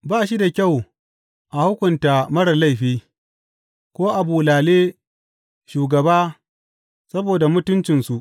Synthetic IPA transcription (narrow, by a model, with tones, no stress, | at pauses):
baː˦˨ʃi˦da˨kʲa˦˨w | ʔa˨hʊ˦kʷʊ˨nta˨mɐ˦ɽɐ˨la˦jɸiː˦ | kʷoː˦ʔa˨buː˨laː˨leː˦ | ʃuː˨ɡɐ˨baː˦ | sɐ˦boː˨da˨mʊ˦tʊ˦nt͡ʃɪ˨nsu˨ʔ